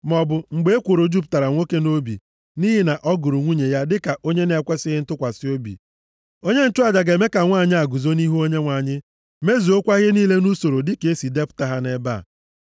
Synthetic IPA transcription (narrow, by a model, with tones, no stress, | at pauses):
mɔ˨bʊ˨ŋ͡m̩˨ɡ͡be˨˦e˦kʷo˨ɾo˨d͡ʒu˦p̚ta˨ɾa˨ŋʷo˦ke˦no˦bḭ˨ | ni˦ɦɪ˦na˨ʔɔ˦ɡʊ˨ɾʊ˨ŋʷu˦ɲe˨ja˦dɪ˦ka˨ʔo˦ɲe˦ne˨˦kʷe˦sɪ˦ɣɪ˦n̩˦tʊ˦kʷa˨sɪ˦o˦bḭ˨ | o˦ɲe˦n̩˦t͡ʃʊ˦a˨d͡ʒa˨ɡe˨me˦ka˨ŋʷa˦˨ɲɪ˦a˨ɡu˨zo˦ni˦ɦu˦o˦ɲe˦ŋʷa˨ɲɪ˦ | me˦zu˨o˦kʷa˦ɣɪ˦niː˦le˦nu˦so˨ɾo˨dɪ˦ke˨˦si˨de˦pʊ̥˨ta˦ɦa˦ne˦ba̰ː˦˨